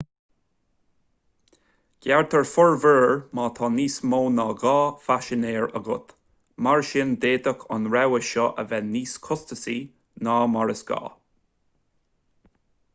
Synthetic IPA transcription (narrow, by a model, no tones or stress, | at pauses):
ɡ̥jɛɹt̪ʰəɹfʊɹvəːɹmɑːt̪ʰɑːniːsmoːnɑːɡɑːfaʃɪneːɹə̰ɡʊt̪ | maɹʃɪnd̪eːd̪əkʰa̰nɹɛwəʃɔʔə̰vɛniːskʰʊst̪əsiː | nɑːmaɹəsɡ̥ɑ̰ː